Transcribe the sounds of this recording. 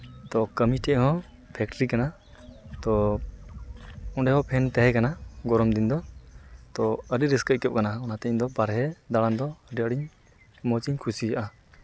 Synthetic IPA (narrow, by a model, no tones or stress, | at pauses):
t̪ɔkəmiʈɛʔɦɔ̃ | pʰɛk̚ʈɾikana | t̪ɔ | ɔɖɛɦɔ̃pʰɛnt̪ɛɦɛkanaɡɔɾɔmd̪ind̪ɔt̪ɔəɖiɾiskəc̚kɛp̚kanaɔnat̪ɛɲd̪ɔbaɾɦɛd̪aɽand̪ɔəɖiəɖiɲ | mɔt͡ʃiɲkʰusijaʔa